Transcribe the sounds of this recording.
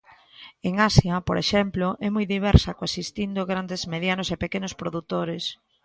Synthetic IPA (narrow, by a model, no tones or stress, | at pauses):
eŋasjapoɾʔeʃɛmplʊʔɛmujðiβ̞ɛɾsɐkoasist̪ind̪ʊɣɾand̪ezmeðjanʊsepekenʊspɾoðut̪oɾes